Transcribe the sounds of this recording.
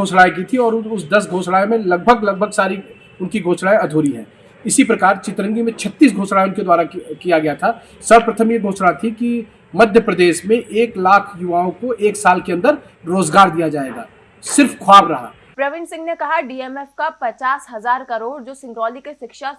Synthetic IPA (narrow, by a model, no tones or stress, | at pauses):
oːsɽaːek̬it̪ʰiɔːɾʊsd̪ɐs̬ɡʱoːsɽaːemẽlɐɡ̚bʱəɡlɐɡ̚bʱəɡsaːɾi | ʊnkiɡʱoːsɽaːẽɐd̪ʱuːɾiɦɛ̰̃ː | ɪsipɾɐkaːɾt͡ʃɪt̪ɾə̃ŋɡimẽt͡ʃʰɐt̪ːiːs̬ɡʱoːsɽaeʊnked̪waːɾakijaɡɐjat̪ʰa | sɐɾpɾət̪ʰəmjeɡʱoːsɽat̪ʰiki | mɐd̪ʱjəpɾɐd̪eːʃmẽʔeːklaːkʰjʊʋaːõkoʔeːksaːlkeɐ̃nd̪əɾ | ɾoːzɡaːɾd̪ijad͡ʒaːeːɡa̰ː | sɪɾfkʰwaːbɾɐɦa̰ː | pɾɐʋɪ̃nsɪ̃ŋɡnekɐɦaɖiːɛmɛfkapɐt͡ʃaːsɦɐzaːɾkɐɾoːɾd͡ʒoːsɪ̃ŋɡɾɔːlikeʃɪkʃa